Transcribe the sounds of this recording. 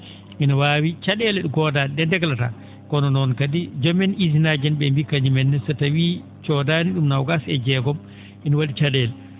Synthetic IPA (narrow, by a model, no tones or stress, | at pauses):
ʔinawawit͡ʃaɗɛlɛɗukɔdaːnɛɗɛndɛɡlata̰ | kɔnɔnɔnkadid͡ʒɔmɛnizinaːd͡ʒɛnɓɛmbikaɲimɛnːɛsɛtawiː | t͡ʃɔdaniɗumnawɡasɛd͡ʒɛɡɔm | ʔinɔwadit͡ʃaɗɛlɛ